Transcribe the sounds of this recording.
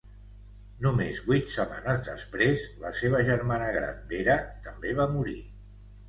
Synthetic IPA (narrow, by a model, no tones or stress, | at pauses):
numezβujt̪səma̰nəzðəspɾezləseβ̞əʒəɾmanəɣɾa̰mbeɾət̪əmbeβamuɾi